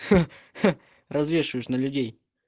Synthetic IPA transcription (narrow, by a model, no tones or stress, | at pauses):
rɐzvʲe̞ʂɨəjɪʃnəlʲʉdʲej